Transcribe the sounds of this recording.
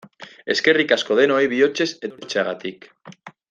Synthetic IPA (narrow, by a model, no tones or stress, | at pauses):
e̞ske̞rikaskoðenoajβiot͡ʃe̞set̪et͡ʃaɣat̪ik